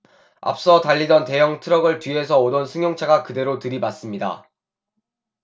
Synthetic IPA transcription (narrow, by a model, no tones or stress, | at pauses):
a̰p̚s͈ʌtaʎːidʌnte̞jʌŋtʰɯɾʌɡɯɭtɥie̞sʰʌodʌnsʰɯŋjoŋt͡ɕʰaɡakɯde̞ɾotɯɾibas͈ɯmɲida̰